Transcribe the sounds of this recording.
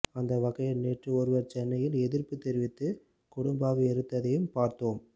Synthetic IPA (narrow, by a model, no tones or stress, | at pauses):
ɐnd̪ɐʋɐɣɐjɐlneːʈrɯɔɾɯʋɐɾt͡ʃɛnːɐjɪlɛðɪrpɯt̪ːɛɾɪʋɪt̪ːɯ | kʊɽʊmbaːɣɐɛɾɯt̪ːɐðɐjɯmpaːɾt̪oːm